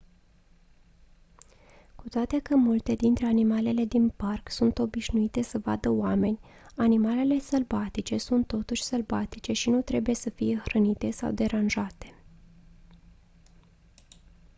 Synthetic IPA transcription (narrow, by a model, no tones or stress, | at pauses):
kut̪oat̪e̞kəmult̪e̞d̪int̪ɾe̞animale̞le̞d̪inparksunt̪o̞biʃnuit̪e̞səva̰d̪əoame̞nʲ | animale̞le̞səlbat̪it͡ʃe̞sunt̪ːo̞t̪uʃʲsəlvat̪it͡ʃe̞ʃinut̪ɾe̞bujesəfije̞xɾənit̪e̞sa̰wd̪e̞ɾanʒat̪e̞̥